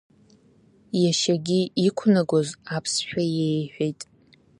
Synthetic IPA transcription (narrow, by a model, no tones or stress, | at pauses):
jaʃaɡʲiikʷʰnaɡʷozapʰsħᶣajejħᶣʷejtʼ